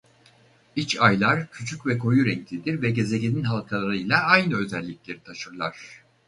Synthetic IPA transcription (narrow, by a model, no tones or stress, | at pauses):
it͡ʃajlˠaɾ̥cʰyt͡ʃʰycvɛkʰo̞juɾɛɲclʲid̪iɾvɛɟe̞ze̞ɟʲininɦalˠkʰalˠaɾɯjlˠaajnɯø̞zɛlʲːiclʲe̞ɾit̪ʰaʃɯɾlˠaɾ̝̥